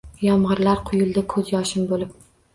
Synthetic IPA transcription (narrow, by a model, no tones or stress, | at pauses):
jɒmʁɨɾlaɾqʰʊjʊlˠd̪akʰɵzjɒʃɪmbolɪp̚